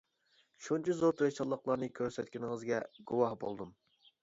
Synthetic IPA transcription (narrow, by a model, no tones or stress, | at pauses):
ʃunt͡ʃʰizoɾt̪ʰɾeʃɑlˠːəqlˠɑɾnɨkʲʰøɾsɛt̪kʲinɪŋəzɡʲɛɡ̥uwɑhbo̰lˠd̪um